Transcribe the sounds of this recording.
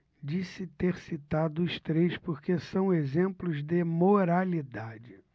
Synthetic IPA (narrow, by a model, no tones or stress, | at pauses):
d͡ʒisɪt̪eɾsit̪ad̪ʊʃt̪ɾejspoɾkesɐ̃w̃ezẽmplʊzd̪ɪmoɾalid̪ad͡ʒɪ